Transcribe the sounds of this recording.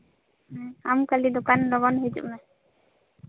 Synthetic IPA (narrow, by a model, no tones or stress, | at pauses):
ɛamkalid̪ɔkanlɔɡɔnɦed͡ʒṵʔmɛ